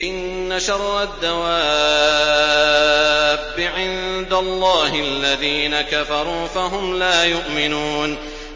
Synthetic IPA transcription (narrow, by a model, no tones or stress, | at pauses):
ʔɪnːaʃɑrˤːad̪ːawaː | bːɪʕɪnd̪alˤːɑːhɪalːaðiːnakafɑɾˤuːfaɦʊmlaːjʊʔmɪnuːn